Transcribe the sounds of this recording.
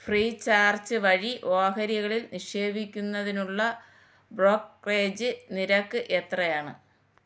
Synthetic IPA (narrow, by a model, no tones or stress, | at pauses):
friːt͡ɕaːrt͡ɕɨʋɐɻiʔo̞ːhɐɾjɐɣɐɭilniʂe̞ːbʱikʲːunːɐðinuɭːɐ | broːkre̞ːd͡ʑɨniɾɐkːɨʔe̞t̪rɐjaːɳɨ